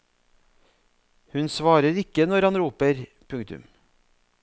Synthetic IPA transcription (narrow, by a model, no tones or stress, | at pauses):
hʉnsʋɑːɾəɾɪkənɔɾhɑnɾuːpəɾ | pʰʉŋt̪ʉ̰m